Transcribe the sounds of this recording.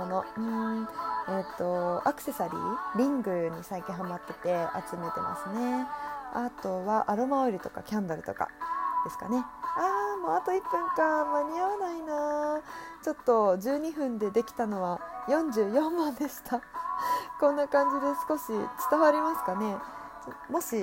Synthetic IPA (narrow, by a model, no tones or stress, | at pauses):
onoɯ̟̃ɴ | et̪ːo̞akɯ̟̥se̞saɾʲḭːɾʲĩŋɡɯ̟ɲ̟isaikʲĩɰ̃ɦamat̪ːe̞t̪e̞a̰t͡sɨme̞t̪e̞̰ma̰sɨne̞at̪o̞βaʔaɾomaoɾʲit̪o̞ka̰kʲãnd̪aɾɯ̟t̪o̞ka̰d̪̥e̞sɨ̥ka̰ne̞aːmoːat̪o̞ipːɯ̟̃ŋkãmaɲ̟iaβanaina | t͡ɕo̞t̪ːo̞d͡ʑɨːɲ̟iɸɯ̟̃nd̪e̞d̪e̞kʲi̥t̪ano̞βajõ̞ɲd͡ʑɨːjõ̞mmãnd̪e̞ɕi̥t̪ʰa | kõ̞nːakãɲd͡ʑid̪e̞sɨ̥ko̞ɕḭt͡sɨ̥t̪aβaɾʲimasɨ̥kane̞ | t͡ɕomo̞ɕi